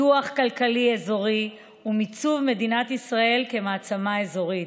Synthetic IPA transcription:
uaχkalkaliezo̞ʁi | umit͡suvme̞d̪inat̪isʁae̞lke̞maːt͡samaezo̞ʁi

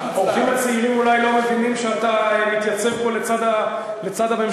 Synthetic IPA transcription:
ofimat͡seilimulajlo̞mevinimʃeat̪amit̪jat͡sevbolet͡sad̪a | let͡sad̪abem

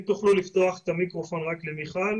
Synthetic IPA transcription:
t̪uχlulift̪oaχet̪amikʁofo̞nʁaklemiχal

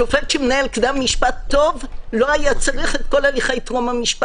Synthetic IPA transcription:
ofelʃemenaelkd̪amːiʃpat̪ːo̞vlo̞ajat͡saʁiχet̪̚ko̞laliχejt̪ʁomamiʃpa

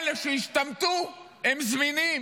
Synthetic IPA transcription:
leʃejiʃt̪amt̪u | emzminim

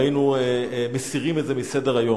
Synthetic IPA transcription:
jinuemesiʁimetzemisedeʁajo̞

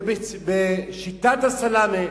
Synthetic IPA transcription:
bebeʃit̪at̪hasalame

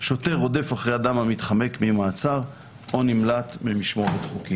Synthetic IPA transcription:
ʃo̞te̞ʁo̞defaχʁejad̪amhamit̪χame̞kmimaːt͡saʁ | o̞nimlat̪mimiʃmoʁetχukim

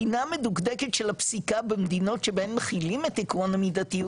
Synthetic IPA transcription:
inamed̪ukd̪eket̪ʃelapsikabemd̪ino̞t̪ʃebeenmeχilimet̪ːikuanamid̪at̪i

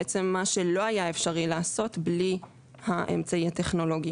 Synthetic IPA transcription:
et͡se̞mːaʃe̞lo̞ajaefʃaʁilaːso̞t̪bli | haʔḛmt͡saiat̪e̞χno̞lo̞ɡi

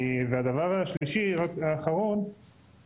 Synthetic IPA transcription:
vead̪avaʁhaʃliʃiʁakaːχaʁo̞n

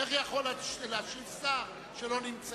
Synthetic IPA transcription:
eχjaχo̞laʃlaʃilsaf | ʃelo̞nimt͡s

